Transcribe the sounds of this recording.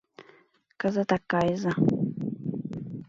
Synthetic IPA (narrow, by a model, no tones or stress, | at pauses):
kazat̪akajza